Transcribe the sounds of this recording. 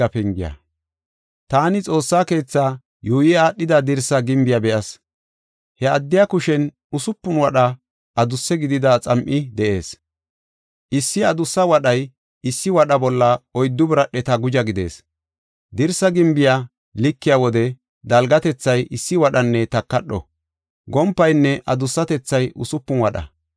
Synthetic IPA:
ɐpɛŋɡɪjɐ̰ | t̪aːnɪt͡sʼo̞ːsːaːke̞ːt͡sːaː | juːjɪaːɗːɪd̪ɐd̪ɪɾsɐɡɪmbɪjabɛʔɐs | hɛɐd̪ːɪjakʊʃɛn | ʊsʊpːʊnwɐɗɐ | ʔɐd̪ʊsːɛɡɪd̪ɪd̪ɐt͡sʼɐmʔɪd̪ɛʔe̞ːs | ʔɪsːɪɐd̪ʊsːɐwɐɗɐj | ɪsːɪwɐɗɐbɔlːɐɔjd̪ːʊbɪɾɐɗɛt̪ɐɡʊd͡ʒɐɡɪd̪e̞̰ːs | d̪ɪɾsɐɡɪmbɪja | lɪkːɪjawɔd̪ɛ | d̪ɐlɡɐt̪ɛt͡sːɐjʔɪsːɪwɐɗɐnːɛt̪ɐkːɐɗːɔ̰ | ɡɔmpːɐjnːɛʔɐd̪ʊsːɐt̪ɛt͡sːɐjʔʊsʊpːʊnwɐɗɐ̰

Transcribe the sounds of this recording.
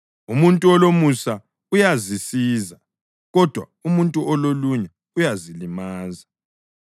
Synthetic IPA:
umuntʼuɔlomusa | ujazisiːza | ɣɔd̥ʱwa̰ | umuntʼuʔɔloluɲɛ | ujazilimaːza

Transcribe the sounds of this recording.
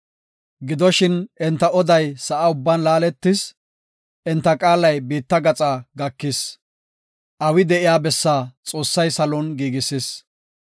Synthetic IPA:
ɡɪd̪ɔʃɪnɛnt̪ːɐɔd̪ɐjsɐʔɐʊbːanlaːlɛt̪ːɪs | ʔɛnt̪ːɐkʼaːlɐjbiːt̪ːɐɡɐt͡sʼaːɡɐkːɪs | ʔɐwɪd̪ɛʔɪjaːbɛsːaːt͡sʼo̞ːsːɐjsɐlɔnɡiːɡɪsɪs

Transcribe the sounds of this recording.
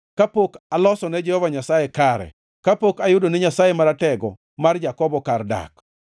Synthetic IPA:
kapokalɔsɔnɛd͡ʒɛhɔvaɲasajekaɾɛ̰ | kapokajʊdonɛɲasajemaɾatɛɡɔ̰ | mard͡ʒakɔbɔkarda̰k

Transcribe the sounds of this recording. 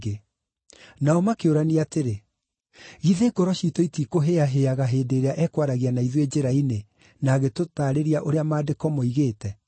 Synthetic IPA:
ɡe | naɔmakeoɾaniateɾe | ɣiðeːɡoɾɔʃitɔitikoɦeaɦeaɣaɦeːdeːɾeaʔɛkwaɾaɣianaiðwed͡ʑeɾaine | naɣetotaːɾeɾiaʔoɾeamaːdekɔmɔiɣeːtɛ

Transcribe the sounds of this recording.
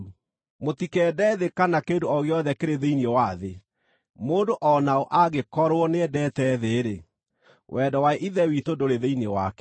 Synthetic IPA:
mot̪ikɛdɛðekanakendoɔɣeɔðɛkeɾeðeiniewaðe | moːdoʔɔnaoʔaɣekɔɾwɔnedɛtɛðeːɾe | wʔɛdɔwaeʔiðɛwitodoɾeðeinewakɛ

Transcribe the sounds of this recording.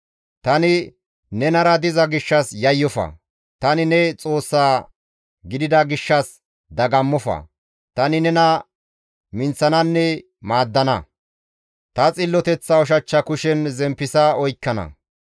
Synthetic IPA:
t̪ɐnɪ | nɛnɐɾɐd̪ɪzɐɡɪʃːɐsjɐjːɔfɐ̰ | t̪ɐnɪnɛt͡sʼo̞ːsːaː | ɡɪd̪ɪd̪ɐɡɪʃːɐs | d̪ɐɡɐmːɔfɐ̰ | t̪ɐnɪnɛnɐ | mɪnt͡sːɐnɐnːɛ | maːd̪ːɐnɐ | t̪ɐt͡sʼɪlːɔt̪ɛt͡sːɐɔʃ̬ɐt͡ʃːɐkʊʃɛnzɛmpːɪsɐɔjkːɐnɐ̰

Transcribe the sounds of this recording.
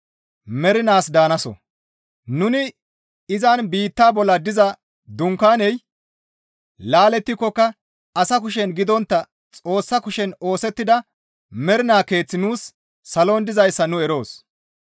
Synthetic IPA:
mɛɾɪnaːsd̪aːnɐsɔ̰ | nʊnɪ | ɪzɐnbiːt̪ːaːbɔlːɐd̪ɪzɐ | d̪ʊŋkaːnɛj | laːlɛt̪ːɪkːɔkːɐ | ɐsɐk̬ʊʃ̬ɛnɡɪd̪ɔnt̪ːɐ | t͡sʼo̞ːsːɐkʊʃɛno̞ːsɛt̪ːɪd̪ɐ | mɛɾɪnaːke̞ːt͡sːɪnuːsː | ɐloːnd̪ɪzɐjsːɐnʊɛɾo̞ːs

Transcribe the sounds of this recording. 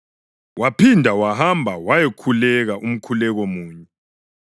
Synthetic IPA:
wʔapʰindʱawaɦambʱawajekʰulɛɣaʔum̩kʰulɛɣomuːɲɛ

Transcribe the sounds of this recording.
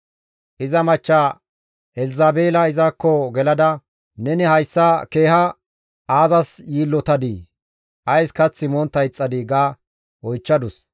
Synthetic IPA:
ʔɪzɐmɐt͡ʃːa | ɛlɪzaːbeːlɐɪzɐkːɔɡɛlɐd̪ɐ | nɛnɪhɐjsːɐke̞ːhɐ | ʔaːzɐsjiːlːɔt̪ɐd̪i | ʔɐjskɐt͡sːɪmɔnt̪ːɐjt͡sʼːɐd̪ɪɡaː | wɔjt͡ʃːɐd̪ʊs

